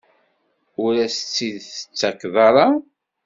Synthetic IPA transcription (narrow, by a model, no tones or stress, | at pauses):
ʊɾæsət͡sːiðθə̥t͡sːækːðˤɑɾˤɑ